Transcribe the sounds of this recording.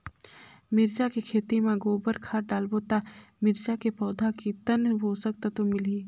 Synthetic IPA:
mɪɾd͡ʒakikʰeːt̪imẽɡoːbəɾkʰaːɾɖaːlbot̪amɪɾd͡ʒakepɔːd̪ʱakit̪ənɦoːsək̚t̪at̪omɪliː

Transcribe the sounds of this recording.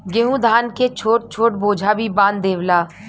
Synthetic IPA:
ɡeɦũd̪ʱaːnket͡ʃʰoːʈ̚t͡ʃʰoːʈboːd͡ʒʱabʱibãːnd̪eːʋlaː

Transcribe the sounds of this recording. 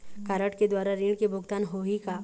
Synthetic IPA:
kaɾəʈked̪waːɾaɾiːɳɖkebʱʊɡt̪aːnɦoːɦika

